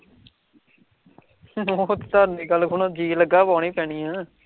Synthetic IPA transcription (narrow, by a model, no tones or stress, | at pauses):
ɔt̪t̪aːnĩːkəlkʰʊnõːd͡ʒiːləɡaːpaːɽiːpɛːɳiːãː